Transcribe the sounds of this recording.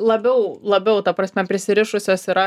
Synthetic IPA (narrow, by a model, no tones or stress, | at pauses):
lˠɐbʲɛʊlˠɐbʲɛʊt̪ɐpɾɐsʲmʲɛpʲɾʲɪsʲɪɾʲɪʃʊsʲoːsiɾɐ